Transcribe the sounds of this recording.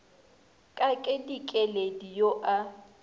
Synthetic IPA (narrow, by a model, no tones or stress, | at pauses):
kʼakʼedikʼɛledijoʔa